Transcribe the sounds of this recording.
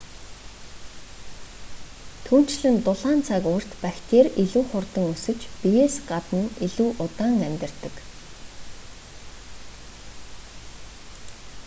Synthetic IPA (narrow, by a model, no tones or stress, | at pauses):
t̪ʰuːn̥t͡ɕɮɘ̆nt̪ʊɮaːnt͡sʰakʊr̥t̪pæxʲt̪ʰeːriɮuːχʊrt̪ə̆ŋusɘ̆t͡ɕpijeːsɢat̪ə̆niɮuːʔʊt̪aːŋæmʲt̪ɪ̆rt̪ə̆k